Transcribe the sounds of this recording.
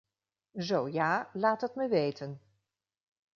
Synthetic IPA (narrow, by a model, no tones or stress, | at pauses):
zowjaːlaːtɦətməʋejtən